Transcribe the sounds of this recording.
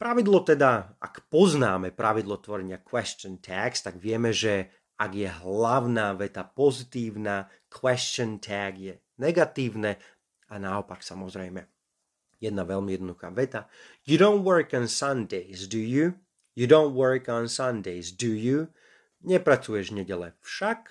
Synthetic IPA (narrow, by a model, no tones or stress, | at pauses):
pɾaʋid̪lɔt̪ɛd̪aa̰kpɔznaːmɛpɾaʋid̪lˠɔt̪ʋɔɾɛɲɪakwɛst͡ʃɔnt̪ʰakst̪aɡʋɪɛmɛʒɛ | aɡjɛɦlaʊnaːʋɛt̪apɔzit̪iːʊnaː | kʰwɛst͡ʃɔnt̪ʰaɡjɛ | nɛɡat̪iːʋnɛ | anaɔpaksamɔzɾɛjmɛ | jɛd̪naʋɛʎmijɛd̪nɔd̪uxa̰ːʋɛt̪ajudɔ̃ʊnt̪wɜɹkɔnsand̪ɛɪzd̪uju | judɔ̃ʊ̃nt̪wəɹkɔnsand̪ɛɪzd̪uju | ɲɛpɾat͡sujɛʒɲɛɟɛlɛ̰fʃak